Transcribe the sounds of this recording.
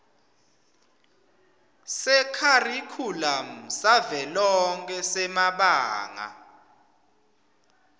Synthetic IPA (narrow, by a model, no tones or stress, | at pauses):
sɛkʰarikʰulam̩savɛlɔŋkʰʼɛsɛmaɓaːŋa̰